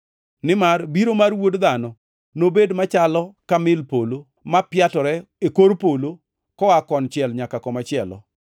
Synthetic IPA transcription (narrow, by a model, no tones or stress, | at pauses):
nɪmarbiɾomarwodd̪anɔ | nobedmat͡ʃalɔkamɪlpolo | mapjatɔɾɛ | ekoɾpolo | kɔakɔnt͡ʃɪɛlɲakakɔmat͡ʃɪɛlɔ̰